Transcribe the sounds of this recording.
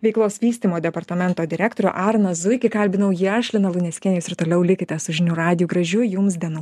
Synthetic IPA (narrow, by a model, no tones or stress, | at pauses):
ʋʲɛɪklˠoːsʋʲiːsʲt̪ʲiːmoːd̪ʲɛpɐɾt̪ɐmʲɛnt̪oːd̪ʲɪɾʲæːkt̪oːɾʲɛ̰ːʔɑːɾnɐzʊɪkʲɪkɐlʲbʲɪnɐʊjiɐʃʲlʲɪnɐlˠʊnʲɛsʲkʲɛnʲjʊsɪɾt̪oːlʲɛʊlʲɪkʲɪt̪ʲɛsʊʒʲɪnʲuɾɑːd̪ʲɪjuːɡɾɐʒʲʊjʊmsd̪ʲiɛnʊ